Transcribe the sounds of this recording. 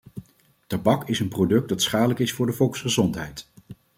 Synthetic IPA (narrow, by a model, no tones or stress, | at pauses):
tɑbɑkɪsənprodɵk̚dɑtsχaːdələkɪsfʊːɹdəvɔlˠksχəzɔntɦɛjt